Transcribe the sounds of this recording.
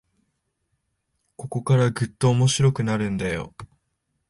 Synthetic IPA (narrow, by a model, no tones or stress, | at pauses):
ko̞ko̞kaɾaɡɯ̟t̪ːo̞ːmo̞ɕiɾo̞kɯ̟naɾɯ̟̃nd̪ajo̞̰